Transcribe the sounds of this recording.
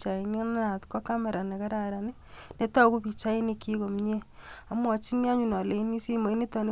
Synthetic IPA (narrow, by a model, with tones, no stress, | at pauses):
t͡ʃa˨i˨ni˦na˦na˨tkɔ˦ka˦ma˨ɾa˨na˨ka˦ɾa˨ɾa˨ne˦ne˦ta˦ku˦pi˨t͡ʃa˦i˦ni˦kʰi˦ko˨mɲe˦a˨mwɔ˨t͡ʃi˦nja˦ɲu˨nɔ˨le˨i˦ni˦si˦mo˨i˦ne˦ta˨ne˦